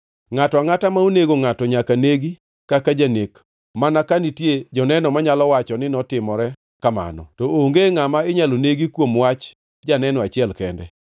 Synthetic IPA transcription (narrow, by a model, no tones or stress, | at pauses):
ŋatɔaŋatamauneɡoŋatɔɲakaneɡi | kakad͡ʒanek | manakanitjed͡ʒɔnɛnɔmaɲalɔwat͡ʃɔnɪnɔtɪmɔɾɛ | kama̰nɔ̰tɔoŋɡeŋamaɪɲaloneɡikwomwat͡ʃ | d͡ʒanɛnɔat͡ʃɪɛlkɛndɛ̰